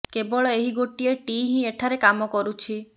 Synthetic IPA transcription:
kebɔɭɔeɦiɡoʈieʈiɦĩeʈʰaɾekamɔkɔɾut͡ʃʰi

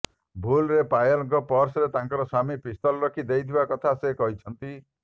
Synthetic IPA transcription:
bʱulɾepajɔlŋkɔpɔɾsɔɾet̪aŋkɔɾɔsamipist̪ɔlɔɾɔkʰid̪ejt̪ʰibakɔt̪ʰasekɔɦit͡ʃʰɔnt̪i

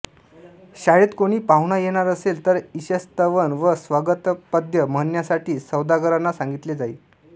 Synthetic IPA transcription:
ɕaɭiːt̪koɽ̃iːpawɳajeɽ̃aɾəselt̪əɾiɕəst̪əʋənʋəsʋaɡət̪pəd̪ʱjəmənjasaʈʰiːsəwd̪aɡəɾanːasãŋɡit̪led͡zaiː

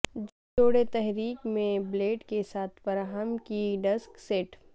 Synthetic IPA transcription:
oːɽet̪ɛɦɾiːkmẽbleːʈkesaːt̪ʰfɐɾaːɦəmkiɖɐskseːʈ

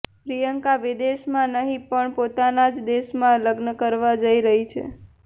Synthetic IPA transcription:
pɾijəŋkaʋid̪eʃmãnəɦĩpəɳpot̪anad͡ʒd̪eʃmãləɡnəkəɾʋad͡ʒəiɾəɦit͡ʃʰḛ

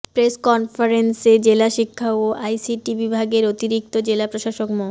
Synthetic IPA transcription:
pɾeskɔnfaɾensed͡ʑelaʃikʰːaoʔajsiʈibibʱaɡeɾot̪iɾik̚t̪od͡ʑelapɾoʃaʃokmo

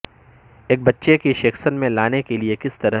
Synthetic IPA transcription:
eːk̚bɐtːʃekiʃeːxsənmẽlaːnekeliekɪst̪ɐɾə

